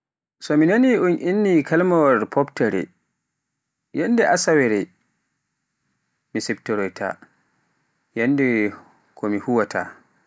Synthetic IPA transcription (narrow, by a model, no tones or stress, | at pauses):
sɔminaniunʔinːikʰalmawaɾpʰɔptɛɾɛ̰ | jandɛʔasawɛɾɛ | misɛptɔɾɔjtʰa̰ | jandɛ | kʰɔmihuwatʰa̰